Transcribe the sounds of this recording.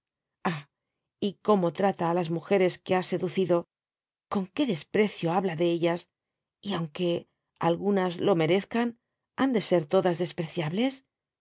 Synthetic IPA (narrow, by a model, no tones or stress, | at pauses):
a | iko̞mo̞t̪ɾat̪aːlazmuxe̞ɾe̞ske̞ase̞ðuθiðo̞ | ko̞ŋke̞ðe̞spɾe̞θjo̞aβlaðe̞eʎas | iawŋke̞ | a̰lɣunazlo̞me̞ɾe̞θkan | and̪e̞se̞ɾt̪o̞ðazðe̞spɾe̞θjaβle̞s